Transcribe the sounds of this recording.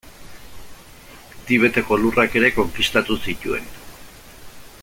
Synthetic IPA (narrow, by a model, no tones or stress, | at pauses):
d̪iβ̞e̞t̪e̞ko̞lurake̞ɾe̞ko̞ŋkist̪at̪usit̪ue̞n